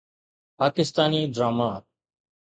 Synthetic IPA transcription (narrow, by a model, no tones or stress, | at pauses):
paːkɪst̪aːniːd̪ɾaːmaː